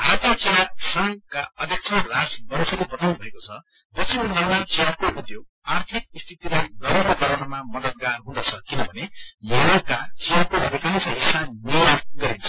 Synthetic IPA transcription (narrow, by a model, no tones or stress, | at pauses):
at̪ʰit͡siasʌŋkaʌd̪ʱjʌk̚t͡sʰʌrasbʌnsʰʌɾepʌt̪ʌnbʱʌekot͡sʰʌ | pʌt͡sʰimnemat͡sijakoud̪joɡ | art̪ʰik̚st̪ʰit̪ilajɡʌɾanokʌɾanʌmamʌd̪ʌt̪̚ɡarɦũd̪ʌt͡sʰʌkinʌbʱʌnemeokat͡sijakoʌd̪ʱikansʰʌɦisaniaɡʌɾint͡sʰʌ̥